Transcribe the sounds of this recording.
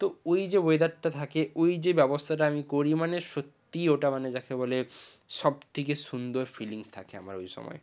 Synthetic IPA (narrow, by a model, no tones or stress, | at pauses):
t̪oojd͡ʑeboed̪aʈʈːat̪ʰakeʔojd͡ʑebɛbost̪ʰaʈaamikoɾimaneʃot̪ːioʈamaned͡ʑakʰebɔle | ʃɔb̚t̪ʰekeʃund̪oɾfiliŋst̪ʰa̰kʰea̰ma̰ɾojʃɔ̰mɔ̰e